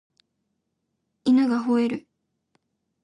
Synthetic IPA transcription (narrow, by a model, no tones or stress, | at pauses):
inaɡaɦoeɾɯ̟